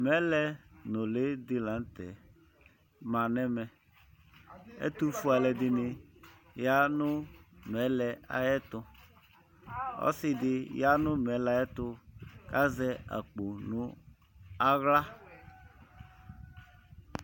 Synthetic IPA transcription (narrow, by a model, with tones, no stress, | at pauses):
mɛ˨˦lɛ˦nʊ˨le˦dɪ˦lã˨˦n̩˦tɛ̰˨ | ma˨nɛ˦mɛ˨ | ɛ̰˦tu˦fu˦a˨lɛ˨dɪ˨nɪ˨ | ja˦nʊ˦mɛ˨˦lɛ˨a̰˨jɛ˦tʊ˦ | ɔ̰˦sɪ˦dɪ˨ja˦nʊ˦mɛ˨˦la˨jɛ˦tʊ˧ka˦zɛ˦a̰˨k͡po˨nʊ̃˨ | a˦ɣla˦